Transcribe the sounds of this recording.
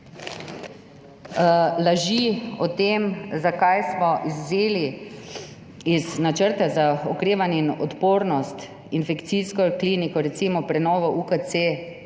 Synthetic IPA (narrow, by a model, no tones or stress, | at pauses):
laʒiɔt̪emzakajsmɔʔizzeːli | iznat͡ʃəɾt̪azaɔkɾeːʋanjɛinɔt̪poːɾnɔst̪ | infɛkt̪siskɔkliːnikɔɾɛt̪siːmɔpɾɛnɔːʋɔʔukəse